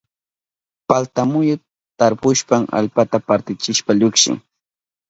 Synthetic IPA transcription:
palt̪amʊjʊ | t̪aɾpʊʃpaŋa̰lpat̪apaɾt̪ɪt͡ʃɪʃpaʎʊkʃɪ̰ŋ

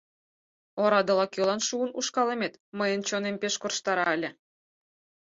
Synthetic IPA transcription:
oɾɑd̪ɤ̆lɑkølɑnʃuənuʃkɑlemet̪məjə̆nt͡ɕonempeʃkorʃt̪ɑɾɑelʲĕ

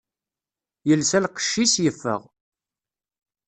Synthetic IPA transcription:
jəlsælqə̥ʃːisjəfːə̰ʁ

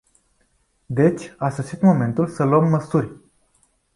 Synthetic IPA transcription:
d̪e̞t͡ʃʲasoʃit̪mo̞me̞nt̪ulsəluəmːəsurʲ

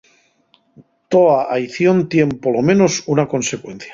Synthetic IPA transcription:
t̪oaʔajθjo̞nt̪jempoɾlomẽnosunako̞nsekwen̟θjḁ

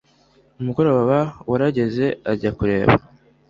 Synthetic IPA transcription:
umuɡo̞ɾoββawaɾaɟe̞ze̞aɟakuɾe̞̰ːβa̰

